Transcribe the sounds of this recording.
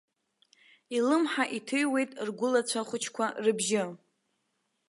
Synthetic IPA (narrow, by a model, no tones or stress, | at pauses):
ilɨmħaʔitʰɨjwe̞jtʼrɡʷʊlat͡ɕʷʰaχʷʊt͡ʃʰkʷʰarɨbʒɪ